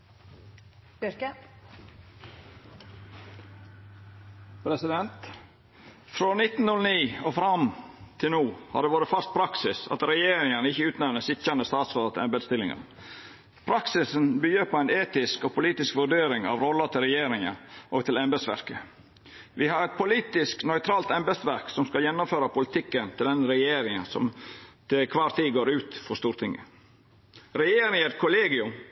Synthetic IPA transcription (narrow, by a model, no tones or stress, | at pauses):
kə | pʰɾɛsɪd̪ɛnt̪ | fɾoːnɪt̪ːn̩nʊlniːofɾɑmt̪ʰɪlnuːhɑ̰ɖ̪eːʋoːɾət̪fœst̪̚pʰɾɑksɪsɑ̰t̪ɾɛjeːɾɪŋɑnəɪçəʉːt̪nɛʋnəsɪçɑnəst̪ɑːt̪sɔlɑt̪ɛmbɛd̪st̪ɪlɪŋɑ̰n | pʰɾɑksɪsnbyːjəɾpʰɔæɪneːt̪ɪskɔpʰʊliːt̪ɪskʋʉɖeːɾɪŋɑ̰ʋɾɔlːət̪ʰɪlɾɛjeːɾɪŋɑʔɔɡt̪ʰɪlɛmbɛd̪sʋæ̰ɾkə | ʋɪhɑɾɛt̪̚pʰʊliːt̪ɪsknɔʏt̪ʰɾɑːlt̪ɛmbɛd̪sʋæɾksɔmskɑljɛnːʊmføːɾɑpʊlɪt̪ʰɪkːənt̪ʰɪld̪ɛnːəɾɛjeːɾɪŋɑsɔ̰mt̪ʰɪlkʰʋɑːɾt̪ʰiːɡoːɾʉːt̪fɔʂt̪uːɾt̪ʰɪŋːə | ɾɛjeːɾɪŋəɾkʰʊleːɡɪʉm